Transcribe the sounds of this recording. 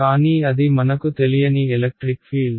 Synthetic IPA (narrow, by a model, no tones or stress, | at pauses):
aːniɐðimɐnɐkːɯt̪ɛlɪjɐniɛlɐk̚ʈɾɪkfiːl